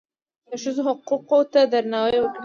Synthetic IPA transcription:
d̪əʃəzoɦʊquqot̪ad̪aɾnɑwajwəkɽ

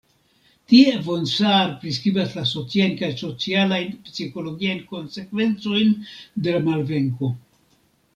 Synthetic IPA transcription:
tie̞vo̞nsaɾpɾiskɾibaslaso̞t͡siajnkajso̞t͡sialajnpsiko̞lo̞ɡiajnko̞nse̞kve̞nt͡so̞jnde̞lamalve̞ŋko̞

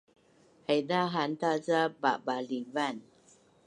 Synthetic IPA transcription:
hajdaɦant̪azaba̰balivan

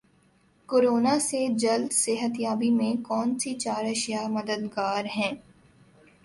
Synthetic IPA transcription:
koːɾoːnased͡ʒɐld̪seːɦət̪jaːbimẽkɔːnsit͡ʃaːɾɐʃijamɐd̪əd̪ɡaːɾɦɛ̃ː

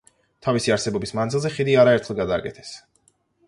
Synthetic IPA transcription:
t̪ʰavisiaɾsɛbɔbismanzilˠzɛχid̪iaɾaɛɾt̪ʰχɛlˠɡad̪aːkʼɛt̪ʰɛ̥s

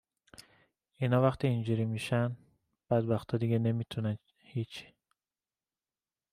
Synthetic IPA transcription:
inɒːvæxt̪ʰiːnd͡ʒuɾimiːʃæn | b̥æd̪bæxt̪ʰɒːd̪iɡene̞miːt̪ʰunæn | hiːt͡ʃʰi̥

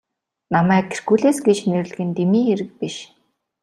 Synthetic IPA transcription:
namæːkʰːerɡuːɮeːsɡet͡ɕner̆ɮ̆ɣɘ̆nt̪emiːxeɾɘ̆k̚piʃ

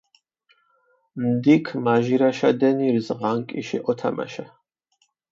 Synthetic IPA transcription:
md̪ikʰmaʒiɾaʃad̪ɛniɾzʁaŋkʼiʃɛʔɔt̪ʰa̰ma̰ʃa

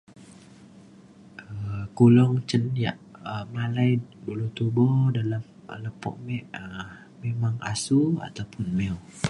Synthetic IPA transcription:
ʔəkulɔŋt͡ʃənja̰ʔəmalajdulut̪ubɔdalam | ləpɔ̰ʔmɛʔə | memaŋa̰sua̰t̪awpʊnmɛw

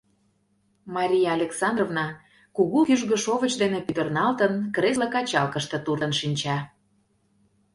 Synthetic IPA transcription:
mɑɾʲijɑːlʲeksɑnd̪rovnɑ | kuɣukyʒɣə̆ʃovət͡ɕd̪enĕpyt̪ə̆rnɑlt̪ənkresləkɑt͡ɕɑlˠkə̆ʃt̪ɤ̆t̪uɾə̆nʃinʲt͡ɕɑ

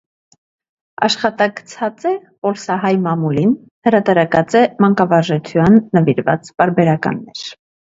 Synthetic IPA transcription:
ɑ̰ʃχɑt̪ɑɡt͡sʰɑt͡sɛpɔlsɑɦɑjmɑmulin | həɾɑt̪ɑɾɑkɑt͡sɛmɑŋkɑvɑɾʒɛt͡sʰjɑnːəviɾvɑ̰t͡spɑɾbɛɾɑkɑ̰nːɛ̰ɾ

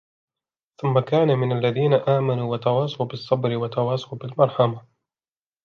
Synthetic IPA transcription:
θʊmːakaːnamɪnalːaðiːnaʔaːmanuːwat̪ɑwɑːsˤɑwbɪsˤːɑbɾɪwat̪ɑwɑːsˤɑwbɪlmɑɾˤħama

